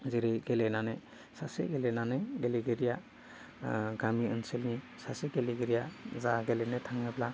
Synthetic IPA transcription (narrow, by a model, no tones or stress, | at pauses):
zeɾeɡelenane | sasḛɡelenaneɡeleɡeɾija | ɡamiɯnselni | saseɡeleɡeɾijazaɡelenetʰaŋebla